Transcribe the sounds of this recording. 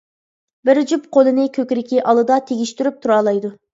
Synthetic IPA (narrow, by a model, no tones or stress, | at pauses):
bɪɾd͡ʒypqʰolˠɨnɪkʲʰøkʲɾɪkʲiʔɑlˠɨd̪ɑt̪ʰeɡʲiʃt̪yɾyp̚t̪ʰuɾɑːlˠɑjd̪u